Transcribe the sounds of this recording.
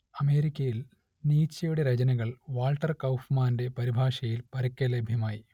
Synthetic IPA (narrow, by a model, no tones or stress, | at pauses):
ɐme̞ːɾikʲːɐjil | niːt͡ɕːɐjuɽeɾɐt͡ɕɐnɐɣɐɭʋaːlʈːɐrkɐwfmaːnde̞pɐɾibʱaːʂɐjilpɐɾɐkʲːɐlebʱjɐmaːji